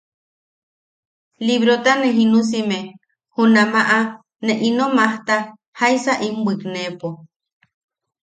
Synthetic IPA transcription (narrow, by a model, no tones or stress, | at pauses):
liβɾot̪aneɦinus̬ime | hunamaʔa | neʔinomaht̪a | hajsaʔimbɨknepo